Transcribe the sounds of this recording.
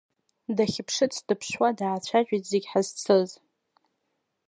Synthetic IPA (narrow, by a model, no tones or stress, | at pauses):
daχʲɪpʰʂɨt͡sʰdɨpʰʃwadaat͡ɕʷʰaʒᶣʼitʰʼzeɡʲħazt͡sʰɨz